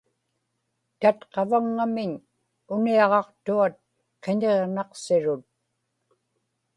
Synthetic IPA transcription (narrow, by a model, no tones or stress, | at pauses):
t̪at̪qɑvaŋːamɪɲ | ʊniɑʁɑqt̪uat̪̚ | qeɲeʁnɑqsɪɻʊt̪̚